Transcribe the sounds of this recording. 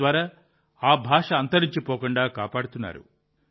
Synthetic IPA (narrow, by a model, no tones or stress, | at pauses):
ʋaːɾaː | aːbʱaːʂɐɐnt̪ɐɾiɲt͡ʃipɔːkuɳɖaːka̰ːpaːɽut̪unːa̰ːɾṵ